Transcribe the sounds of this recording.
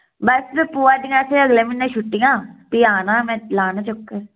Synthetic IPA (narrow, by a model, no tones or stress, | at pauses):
bəsbepuːaːdɪŋãːseːəɡleːmɪnːẽːʃʊʈːɪjãːpiaːnaːmɛ̃ːlaːnãt͡ʃʊkːə